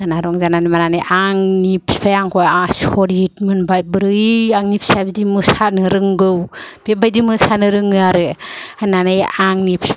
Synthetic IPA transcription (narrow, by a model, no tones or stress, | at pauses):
anaɾɔŋzananimananajʔaŋnipʰi̥pʰajaŋkɔjasɔɾitmɯnbajbɯɾɯiaŋnipʰsapdimɯsanɯɾɯŋɡɯwb̥ebajdimɯsanɯɾɯŋɯaɾɯananajaŋnipʰi̥